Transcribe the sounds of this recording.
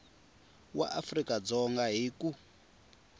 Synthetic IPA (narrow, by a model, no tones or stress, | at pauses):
wa̰ʔafrikʼad͡zɔŋɡaɦiku